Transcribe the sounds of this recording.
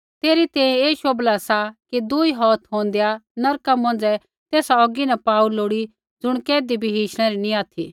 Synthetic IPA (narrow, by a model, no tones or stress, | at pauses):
t̪eːɾit̪ɛ̃ːɛ̃eːʃoːblasakid̪uiɦɔːt̪ʰɦõːnd̪ejanɐɾkamɐ̃n̆d͡zɛ | t̪eːsaɔːɡinɛpaːuloːɽi | d͡zʊɽ̃kɛːd̪ibʱiɦiːʃɽ̃ɛ̃ɾinĩaːt̪ʰi